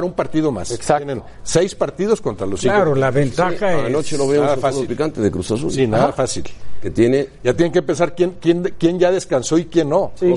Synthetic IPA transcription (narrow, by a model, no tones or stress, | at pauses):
ɾumpaɾt̪iðo̞ma̰ssaenen | sejspaɾt̪iðo̞sko̞nt̪ɾalosiaɾolaβent̪axaanot͡ʃeloβeuðafaðopikant̪eðekɾusasṵlinaðafasilket̪je̞nejat̪jeneŋkepe̞nsaɾkjenkjenkje̞nʝaðe̞skanso̞ikje̞nːo̞i